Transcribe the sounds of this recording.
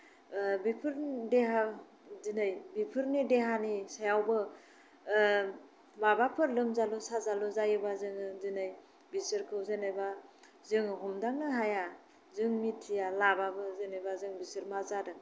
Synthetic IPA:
bipʰɯɾdeɦa | zinajbipʰɯɾnideɦanisajawbɯ | mabapʰɯɾlɯmzalɔsazalɔzajɯbazɯŋɯzɯnɯj | bisɯɾkʰɯwzɯnɯba | zɯŋɦɔmdaŋnɯɦaja | zɯŋmitʰːijalababɯzɯnɯjbazɯŋbisɯɾmazadɯ

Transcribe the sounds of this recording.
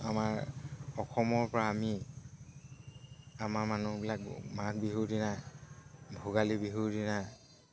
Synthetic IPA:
amaɹɔxɔmɔɹpɔɹaːmi | amaɹmanubilak̚mak̚biɦudina | bʱuɡalibiɦudina

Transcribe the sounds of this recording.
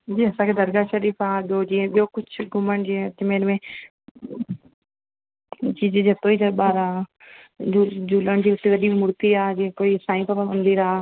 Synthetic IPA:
d͡ʒiːɐsãːkʰeːd̪ɐɾɡaʃəɾiːfaːd͡ʒjoːd͡ʒiːɦɛ̃ɓijoːkʊt͡ʃʰɡʱʊməɳd͡ʒiːɦẽtɪmeːɾmẽ | t͡ʃiːzed͡ʒɐt̪oːiːd͡ʒ̪ɐɓaːɾaː | ud͡ʒuləɳ̃d͡ʒiːʊt̪ːẽʋɐɗimʊɾt̪iːaːd͡ʒiːɦẽkoːisãːĩːpəpamənd̪iɾaː

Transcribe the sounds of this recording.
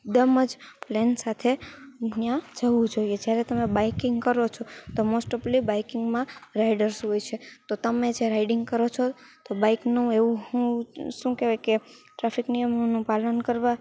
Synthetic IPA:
d̪əməd͡ʒplensat̪ʰenjãd͡ʒəʋũd͡ʒoijed͡ʒjaɾet̪əmebajkɪŋɡkəɾot͡ʃʰot̪omosʈəplibajkɪŋɡmãɾaiɖəɾsɦojt͡ʃʰet̪ot̪əmed͡ʒeɾaiɖɪŋɡkəɾot͡ʃʰo | t̪obaiknũeʋũɦũʃũkeʋekeʈɾafiknijəmnũpalənkəɾʋa

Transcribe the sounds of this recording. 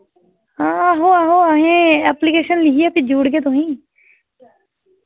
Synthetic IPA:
ɦãːaɦoːaːɦoːaːɦẽːɛːplɪkeːʃənlɪkijaːpʰɪd͡ʒuːɽɡeːt̪̬oɦĩː

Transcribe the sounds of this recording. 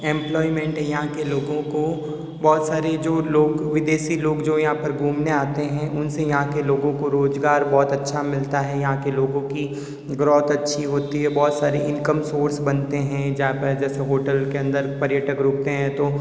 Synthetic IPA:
ɛ̃ːmplɔːɪmɛ̃ːɳʈɦɛ̃jɐɦãkeloːɡõko | bɔːt̪saːɾed͡ʒoːloːɡʋɪd̪eːʃiloːɡd͡ʒoːjɐɦãpɐɾɡʱuːmneaːt̪eɦɛ̃ʔʊnsejɐɦãkeloːɡõkoɾoːzɡaːɾbɔːt̪ɐtːʃʰamɪlt̪aɦɛjɐɦãkeloːɡõki | ɡɾɔːt̪ɐtːʃʰiɦoːt̪iɦɛbɔːt̪saːɾeʔɪ̃nkəmsoːɾsbɐnt̪eɦɛ̃d͡ʒɐɦãpɐɾd͡ʒɛːseɦoːʈəlkeɐ̃nd̪əɾpɐɾjəʈəkɾoːk̚t̪eɦɛ̃t̪oː

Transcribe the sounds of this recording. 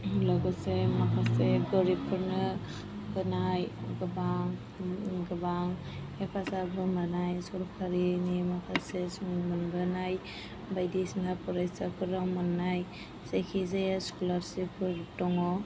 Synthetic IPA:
lɔɡɔsemakʰaseɡɔɾipʰɯɾnɯ | ɡɯnajɡɯbaŋ | ɡɯbaŋ | epʰasabɯmanajsɔɾkʰaɾinimakʰasesuŋmɯnbɯnaj | bajdisnapʰɔɾajsakʰɯɾaŋmɯnːaj | sekʰizejaskulaɾsipʰɯɾtɔŋɔ

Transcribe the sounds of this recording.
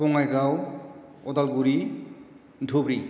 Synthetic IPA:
ɔŋajɡaw | ɔd̪alɡuɹi | dʱubɹi

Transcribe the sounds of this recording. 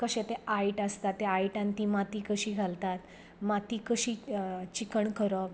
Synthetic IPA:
kəɕẽt̪eaiʈəst̪at̪ːeaiʈãnt̪imat̪ikəɕiːɡʱalt̪at̪ | mat̪iːkəɕiːt͡ɕikəɳkəɾɔ

